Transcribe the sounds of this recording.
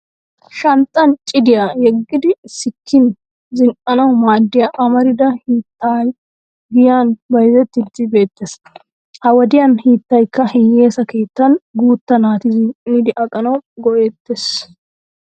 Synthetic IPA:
ʃɐnt̪ʼːɐnt͡ʃʼɪd̪ɪjajɛɡːɪd̪ɪsɪkʰːɪn | zɪŋkʼɐnɐwmaːd̪ːɪjaʔɐmɐɾɪd̪ɐhiːt̪ːaːj | ɡɪjaːnbɐjɪzɛt̪ːɪd̪ːɪbe̞ːt̪ːes | hɐwɔd̪ɪjɐnhiːt̪ːɐjkːɐhɪje̞ːsɐke̞ːt̪ːɐnɡuːt̪ːɐnaːt̪ɪzɪŋkʼɪnɪd̪ɪʔɐkʼɐnɐwɡɔʔeːt̪ːes

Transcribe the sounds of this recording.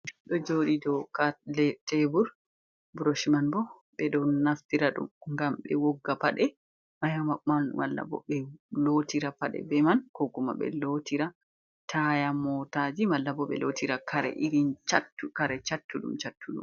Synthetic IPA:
ɗɔd͡ʒoɗidɔkalɛtebuɾ | buɾoʃimanbɔ | ɓɛɗɔnːaftiɾaɗṵmŋɡambɛ̰wɔɡːapaɗɛ | majamamamalːa̰bɔ̰bɛlotiɾapaɗɛ̰bɛmankɔkuma̰bɛ̰lotiɾa | tʰajamɔtad͡ʒimalːabɔɓɛ̰lotiɾakʰaɾɛ̰ʔiɾint͡ʃatːukaɾɛt͡ʃatːuɗṵmt͡ʃatːuɗṵm

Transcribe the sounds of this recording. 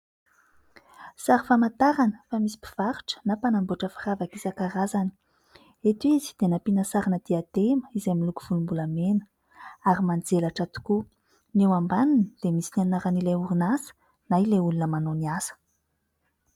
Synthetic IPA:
saɾifamat̪aɾanəfamisi̥pi̥v̥aɾu̥ʈ͡ʂə̥napanamboʈ͡ʂəfiravakisakaɾazani̥ | et̪izi̥d̪̥enapinasaɾinəd̪iat̪eməizamiluku̥v̥ulumbulamenə̥ | aɾimand͡zelaʈ͡ʂat̪u̥ku | newambaninəd̪̥emisinannaɾanilajuɾinasə̥ | naileulunəmanoniasə̥

